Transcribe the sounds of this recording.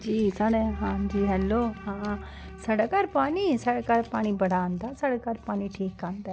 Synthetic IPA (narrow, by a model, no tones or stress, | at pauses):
d͡ʒiːsaːɽeːɦãːd͡ʒiːɦɛːlːoːhãː | saːɽaːkaɾpaːɽ̃iːsaːɽaːkaːɾpaːɽ̃iːbəɽãːnd̪aːsaːɽaːkaːɾpaːɽ̃iːʈʰiːkːaːnd̪aː